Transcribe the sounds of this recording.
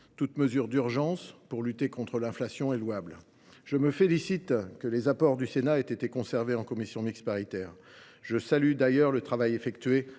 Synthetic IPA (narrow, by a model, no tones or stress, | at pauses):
t̪ut̪məzyʁd̪yʁʒɑ̃spuʁlyt̪ekɔ̃t̪χəlɛ̃flasjɔ̃elwabl | ʒ̥əməfelisit̪kəlezapɔʁd̪ysenaet̪et̪ekɔ̃sɛʁveɑ̃kɔmisjɔ̃mikspaʁit̪ɛːʁ | ʒəsalyd̪ajœʁlət̪χavajefɛkt̪ɥe